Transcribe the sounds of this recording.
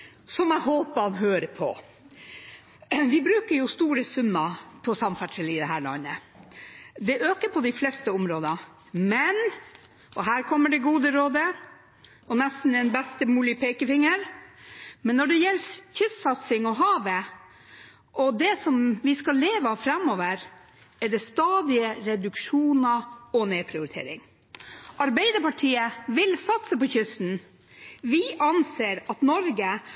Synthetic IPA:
sɔmæɦoːpɑnɦøːɾəpʰɔ̰ | ʋɪbɾʉːkəɾjʊst̪uːɾəsʉmːɑpʰɔsɑmfæʈʂɪlɪd̪ɛɦæːɾɭɔ̰nə | d̪ɛʔøːkəɾpʰɔd̪ɪflɛst̪əʊmɾoːd̪ɑ | mɛn | ɔɦæːɾkʰɔmːəɖɛɡuːd̪əɾoːd̪ə | ʔɔnɛst̪n̩ɛnbɛst̪əmuːlɪəpʰɛɪkəfɪŋːəɾ | mɛnːɔɖɛjɛlːçʏssɑt̪sɪŋɔɦɑːʋə | ʔɔd̪ɛsɔmʋɪskɑlːeːʋɑfɾɛmːɔːʋəɾ | æɖɛst̪ɑːd̪ɪəɾɛd̪ʉkʂuːnɑɔneːpʰɾɪʊɾɪt̪ʰḛːɾɪ̰ŋ | ʔɑɾbæɪd̪əɾpɑʈʰiːəʋɪlsɑt̪səpɔçʏsn̩ | ʋɪʔɑnseːɾɑt̪nɔɾɡə

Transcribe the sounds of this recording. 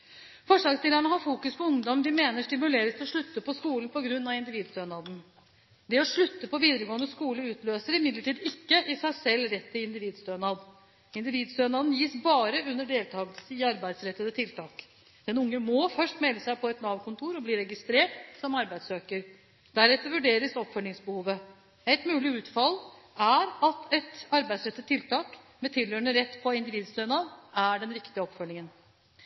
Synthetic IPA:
fɔʂɑːkst̪ɪːləɳəɦɑɾfuːkʉspʰɔʊŋd̪ɔmd̪ɪmeːnəʂʈɪmʉleːɾəst̪ɔʂɭʉt̪ːəpʰɔskuːlən̩pɔɡɾʉnːɑɪnd̪ɪʋiːd̪st̪øːnɑːd̪n̩ | d̪ɛɔʂɭʉt̪ːəpʰɔʋiːd̪əɾəɡoːənəskuːləʉːt̪løːsəɾɪmɪd̪ləʈʰiːd̪ɪkːəʔɪsæɪsɛlːɾɛt̪ːɪɪnd̪ɪʋiːd̪st̪øːnɑːd̪ | ɪnd̪ɪʋiːd̪st̪øːnɑːd̪njiːsbɑːɾəʉnːəɖeːlt̪ʰɑːɡəlsəɪɑɾbæɪd̪sɾɛt̪ːəət̪ʰɪlt̪ʰɑːk | d̪̥ɛnʊŋːəmɔfœʂʈmɛlːəsæɪpʰɔɛt̪nɑːʋkʊnt̪ʰuːɾɔbliːɾɛɡɪst̪ɾeːʈsɔmɑɾbæɪd̪søːkəɾ | d̪̥æɾɛt̪ːəɾʋʉɖeːɾəsɔpfœlːɪŋsbəhuːʋə | æɪt̪mʉːlɪʉːt̪fɑl | æɾɑt̪ɛt̪ɑɾbæɪd̪sɾɛt̪ːət̪ʰːɪlt̪ʰɑːk | mɛt̪ʰɪljøːəɳəɾɛt̪ːpʰɔɪnd̪ɪʋiːd̪st̪øːnɑd̪æɖɛnɾɪkt̪ɪəɔpfœlːɪŋən

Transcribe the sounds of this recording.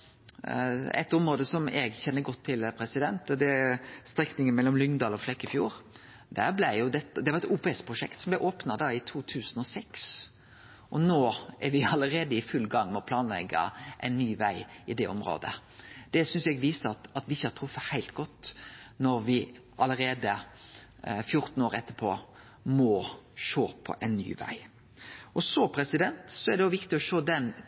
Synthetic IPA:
ɛ̰t̪ːɔmɾoːd̪əsɔmɛ̰ɡçɛnːəɡɔt̪ʰːɪlpʰɾɛsɪd̪ɛnt̪d̪ɛst̪ɾɛknɪŋənmɛlːɔmlʏŋd̪ɑːlɔflɛkːɪfjṵːɾ | d̪æɾblæɪjʊd̪ɛt̪ːd̪ɛʋɑʁɛt̪uːpɛɛspʰɾʊʂɛ̰kt̪sɔmblæɪʔoːpnɑd̪ɑːɪt̪ʰuːt̪ʰʉːsənɔsɛks | ʔɔnoːæɾʋɪɑləɾeːd̪əɪfʉlːɡɑŋːmɛɔpʰlɑːnlɛ̰ɡə̰ʔɛ̰ɪnːyːʋæɪɪd̪ɛʔɔmɾo̰ːd̪ə̰ | d̪̥ɛsʏnsjɛɡʋiːsəɾɑt̪ɑt̪ʋɪɪçːəhɑɾt̪ʰɾʊfːəhæɪlt̪̚ɡɔt̪ːnɔɾʋɪ | ʔɑləɾeːd̪ə | fjʊɾt̪n̩oːɾɛt̪ʰːəpʰo̰ː | mɔʃoːpʰɔ̰ʔɛɪnny̰ːʋæ̰ɪ | ʔɔsɔpʰɾɛsɪd̪ɛnt̪sɔɛʁɖ̪ɛɔʋɪkt̪ɪɔʃoːd̪ɛn

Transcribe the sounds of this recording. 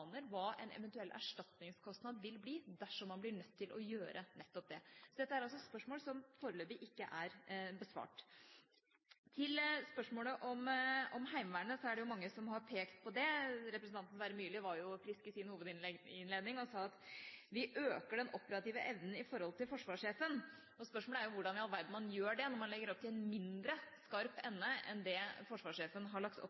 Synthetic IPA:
nəɾʋɑːʔɛ̰nɛ̰ʋɛnt̪ʉɛlːʔæ̰ʂʈɑt̪nɪŋskʰɔst̪nɑd̪ʋɪlbliːd̪æʂɔmːɑnblɪɳœt̪ʰːɪlʔɔjøːɾʔənɛt̪ːɔp̚d̪ɛsɔd̪ɛt̪ːəæɾɑls̬ɔspœʂmoːlsɔmfoːɾəløːbɪʔɪkːəʔæɾbəsʋɑ̰ːʈ | t̪ʰɪlspœʂmoːləʔɔmɔmhæɪmʋæːɳəsɔæɖɛjʊmɑŋːəsɔmhɑɾpʰeːkt̪pʰɔd̪ɛɾɛpɾəsnt̪ɑnt̪nʋæɾəmyːlɪʋɑɾjʊfɾɪskɪsɪnhuːʋəd̪ɪɪnleːd̪nɪŋɔsɑːɑt̪ʋɪʔøːkəɖɛnɔpəɾɑt̪iːʋəʔɛʋnn̩ɪfɔɾhɔlt̪ɪlfɔʂʋɑːʂeːfən | ɔspœʂmoːləæɾjʊʋʊɖɑnɪɑlʋæɾɖ̪ɳ̩mɑnjøːɖɛnɔɾmɑnlɛɡːəɾɔp̚t̪ʰɪlɛnmɪnd̪ɾəskɑɾpɛnːəʔɛ̰nd̪ɛfɔʂʋɑːʂeːfənɦɑɭɑkt̪ɔ̰pː

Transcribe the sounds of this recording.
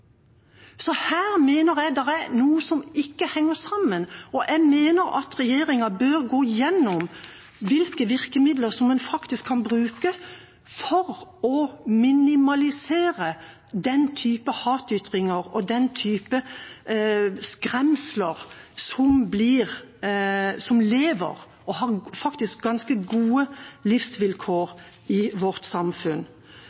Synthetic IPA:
sɔhæːɾmeːnəɾjɛd̪ɛʁænuːəsɔmɪkːəhɛŋːəɾsɑmːənɔʔɛmeːnəɾɑ̰t̪ɾɛjeːɾɪŋɑbøːɾɡoːjɛnːɔm | ʋɪlkəʋɪɾkəmɪd̪ləɾsɔmɛnfɑkt̪ɪskʰːɑnbɾʉːkə | fɔɾɔmɪnɪmɑlɪseːɾə | d̪ɛnt̪ʰyːpəhɑːt̪yt̪ʁɪŋəʁɔd̪ɛnt̪ʰyːpə | skʁɛmsləʁsɔmblɪʁ | sɔmleːʋə̰ʁ | ɔhɑːʁfɑkt̪ɪsk̚ɡɑnskəɡuːəlɪfsʋɪlkʰoːʁ | ɪʋɔʁt̪sɑmfʉn

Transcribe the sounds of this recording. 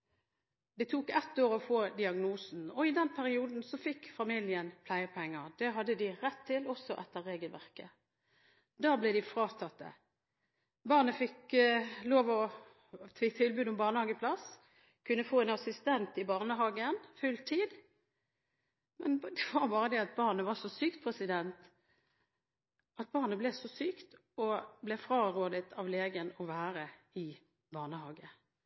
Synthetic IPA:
d̪ɛt̪ʰuːkɛt̪ːoːɾɔfoːd̪ɪɑɡnuːsn̩ɔɪd̪ɛnpʰæʁɪuːd̪n̩sɔfɪkːfɑmiljənpʰlæɪəpʰɛŋːəʁd̪ɛɦɑd̪ːəd̪ɪʁɛt̪ʰːɪlɔsɔʔɛt̪ːəʁeːɡəlʋæ̰ʁkə | d̪ɑːblɛɪd̪ɪfʁɑːt̪ʰɑt̪ːə̰ | bɑːʁnəfɪkloːʋɔ | t̪ʰɪt̪ʰɪlbʉːd̪ʊmbɑːʁnəhɑːɡəpʰlɑs | kʰʉnːəfoːɛnɑsɪst̪ɛnt̪ɪbɑːʁnəɦɑːɡənfʉlt̪ʰiːd̪ | mɛnd̪ɛʋɑʁbɑːʁəd̪ɛɑt̪̚bɑːʁnəʋɑsɔsyːk̚t̪̚pʰʁɛsɪd̪ɛnt̪ | ɑt̪̚bɑːʁnəblɛsɔsyːkt̪ | ɔblɛfʁɑːʁoːd̪ət̪ʰɑʋleːɡənɔʋæːɾə | ɪ | bɑːʁnəhɑːɡə

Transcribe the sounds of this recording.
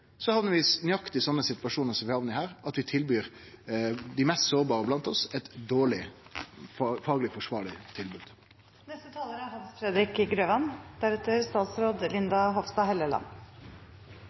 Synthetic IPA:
sɔhɑʋnəɾʋɪsnɪɑkt̪ɪsɔnːəsɪt̪ʋɑʂuːnəɾsɔmʋɪhɑːʋnɪhæːɾɑt̪ʋɪt̪ʰɪlbyːɾ | d̪ɪmɛːst̪soːɾbɑːɾəblɑnt̪ɔsɛt̪d̪oːɭɪ | ffɑːɡlɪfɔʂʋɑ̰ːɭɪt̪ʰɪlbʉːd̪̥ | nɛst̪ət̪ʰɑːləɾəɦɑnsfɾɛd̪ɾɪkɡɾøːʋɑnd̪̥æɾɛt̪əɾst̪ɑːt̪sɾoːd̪lɪnd̪ɑɦɔfst̪ɑɦɛləlɑ̰n

